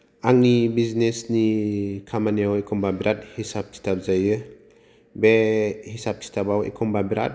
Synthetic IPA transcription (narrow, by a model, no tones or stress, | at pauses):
aŋnibiznesnikʰamaniawekʰɔmbabiɾat̚hisap̚tʰi̥tʰap̚zajɯ | behisap̚kʰi̥tʰabawḛkʰɔmbabiɾa̰t̚